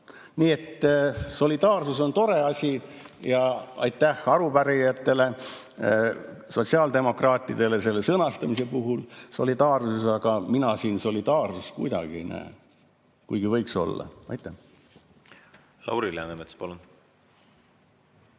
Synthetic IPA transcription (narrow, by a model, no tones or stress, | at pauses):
niːe̞t̪ːso̞lʲid̪̥ɑːrsuso̞nt̪o̞ɾe̞ɑsʲi | jɑɑ̰jt̪ːæhɑɾupæɾijɑt̪ːe̞le̞ | so̞tsiɑːld̪e̞mo̞krɑːt̪ʲːˑid̪̥e̞le̞se̞lːe̞sɤnɑst̪ɑmise̞puɦulso̞̰lid̪̥ɑːrsusɑɡ̥ɑminɑsiːnso̞lʲid̪̥ɑːrsuskṵjd̪ɑ̰ɡ̥iejnʔæ̰e | kujɡ̥ivɤ̞jkso̞̰lːɑ̰ɑ̰jt̪ːˑæh | lɑ̰wɾilɑ̰nemet̪spɑlun